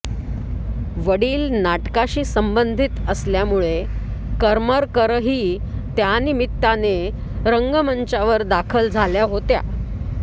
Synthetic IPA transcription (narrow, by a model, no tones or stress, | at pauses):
ʋəɽiːlnaʈkaɕiːsəmbənd̪ʱit̪əsljamuɭekəɾməɾkəɾɦiː | t̪janimit̪ːane | ɾəŋɡəmənt͡ɕaʋəɾd̪akʰəld͡zʱaljaɦot̪ja̰